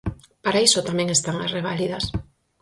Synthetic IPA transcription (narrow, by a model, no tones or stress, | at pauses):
paɾaisot̪amɛ̃ŋest̪aŋasreβ̞aliðɐs